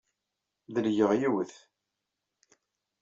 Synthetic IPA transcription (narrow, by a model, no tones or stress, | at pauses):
ðəljəʁjiwəθ